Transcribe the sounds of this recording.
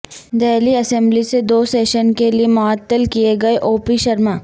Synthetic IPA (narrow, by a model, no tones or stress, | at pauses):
d̪ɛːliɐsɛ̃mblised̪oːseːʃənkeliemʊaːt̪ːəlkieɡɐeʔoːpiʃɐɾmaː